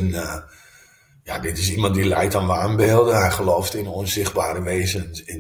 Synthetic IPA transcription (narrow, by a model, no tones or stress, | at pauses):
n | ja̰dɪtɪs̬imɑ̃nt̚dilɛjtanʋaːnbɪːlˠdənɦɛjχəlowftɪnoənsɪxt̚baːɾəʋeːzənɪn